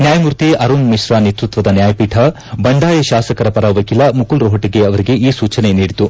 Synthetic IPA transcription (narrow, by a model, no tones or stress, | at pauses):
njaːjɐmuɾt̪iʔɐɾuːnmiʂɾaːnet̪ɾut̪ʋɐd̪ɐnjaːjɐpiːʈʰɐ | bɐɳɖaːjɐʃaːsɐkɐɾɐpɐɾɐʋɐkilɐmukulɾoɦɐʈiɡeɐʋɐɾiɡe̞ʔiːsuːt͡ʃɐneniːɽit̪u